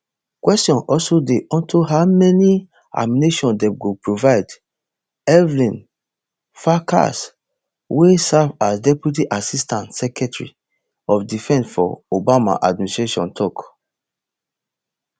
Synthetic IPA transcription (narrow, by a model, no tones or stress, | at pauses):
kwɛstjɔ̃nɔlsodeɔ̃ntʰuɦamɛni | a̰mineʃɔ̃ndɛ̃mɡopɹovaɪd | ɛvlĩn | faka̰s | wesavasdɛpjut̬iʔasistãntsɛkɛtɹḭ | ɔfdifɛ̃nsfɔ̰obama̰ʔad̚ministɹeʃɔ̰̃ntʰɔk